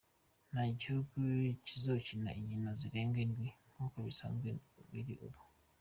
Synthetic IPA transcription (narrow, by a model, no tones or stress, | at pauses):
naɟokucizocina̰iɲinaziɾeːŋɡendwiŋɡokoβisa̰ŋɡeuβiɾḭʔoβu